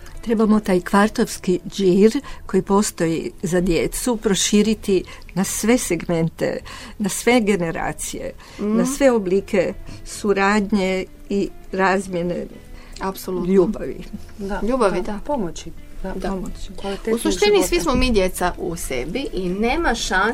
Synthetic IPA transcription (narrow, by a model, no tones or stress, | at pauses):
t̪ɾe̞bamo̞t̪aːjkʋaɾt̪oʋskid͡ʒiɾko̞jipo̞st̪o̞jizad̪je̞t̪supɾo̞ʃiːɾit̪i | nasʋe̞seɡme̞nt̪e̞̰nasʋe̞ɡe̞ne̞ɾa̰ːt̪sijḛ | nasʋe̞oblikʰe̞suɾaːd̪ɲe̞ | iɾaːzmje̞ne̞̰ | apsoluʎuːbaʋḭaʎuːbaʋipomoiomousuʃt̪inisʋismomid̪jet̪saʔusḛbiʔineːmaʃan